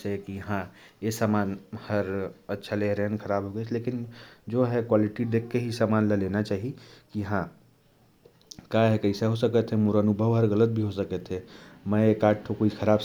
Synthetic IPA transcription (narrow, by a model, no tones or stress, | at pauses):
sekijɐɦãjesaːmaːnhəɾətːʃʰaleɾenkʰəɾaːbʱɦoɡɛt͡ʃʰleːkɪnd͡ʒoɦɛkwaːlɪʈiɖ̪eːkʰːeɦisaːmaːnlaleːnat͡ʃaːɦikijəɦã | kaɦɛkəɪseɦosəkət̪ɦɛmuɾoənʊbʱəʋɦəɾɣələt̪̚bʱiɦosəkət̪ʰɦɛmɛ̃ekaːʈʰːokoikʰəɾaːb